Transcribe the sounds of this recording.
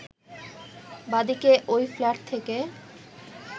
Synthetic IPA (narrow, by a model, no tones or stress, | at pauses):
bad̪ikeʔojflaʈ̚t̪ʰeke